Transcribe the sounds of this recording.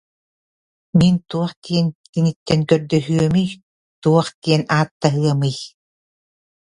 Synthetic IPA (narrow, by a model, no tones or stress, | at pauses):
mint̪uɔχt̪iɛnkiŋit̪ːɛŋkœɾd̪œɦyœmɯj | t̪uɔχt̪iɛnaːt̪ːaɦɯɐmɯj